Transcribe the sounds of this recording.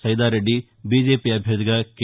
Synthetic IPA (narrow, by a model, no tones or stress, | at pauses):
sɐjd̪aːɾeɖi | bid͡ʒeːpiɐbʱjɐd̪ikɐk